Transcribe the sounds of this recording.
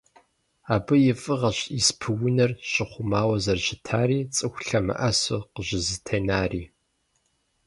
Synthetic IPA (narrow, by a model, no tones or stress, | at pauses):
aːbɨjɪfʼɨʁɐɕispʰɨwʊnɐrɕʼɪχʷʊmaːwɐzɐrɕɪtʰaːriːt͡sʼɨxʷɬɐmɨ̰ʔɐsɨqəʑɪzɨtʰeːnaːriː